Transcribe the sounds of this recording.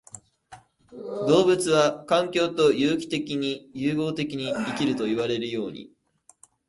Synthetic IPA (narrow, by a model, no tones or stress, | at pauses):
d̪o̞ːbɯt͡sɨβakãŋkʲo̞ːt̪o̞jɯːkʲi̥t̪e̞kʲiɲ̟ijɯːɡo̞ːt̪e̞kʲiɲ̟iikʲiɾɯ̟t̪o̞iβaɾe̞ɾɯjo̞ːɲ̟ḭ